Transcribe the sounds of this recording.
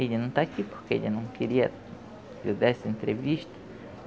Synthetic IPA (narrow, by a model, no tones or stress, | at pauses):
eʎɐnɐ̃w̃t̪aːkipoɾkeḛʎɐnɐ̃w̃keɾiɐ | ud̪ɛsẽnt̪ɾeviʃt̪ɐ̥